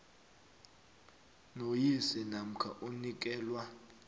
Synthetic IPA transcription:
nojisɛnam̩kʰa̰ʔunik̬ʼɛːlwa

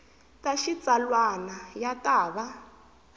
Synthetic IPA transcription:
taʃit͡sʼalwanajatʼaːβa

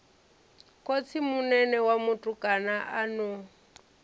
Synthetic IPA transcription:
kʼot͡sʰimunɛnɛwamutʼukʼanaʔanu

